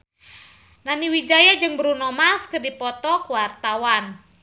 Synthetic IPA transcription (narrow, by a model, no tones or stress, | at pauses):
naniwid͡ʒajad͡ʒɨŋbəɾunɔmaskɨrdipɔt̪ɔkwart̪awan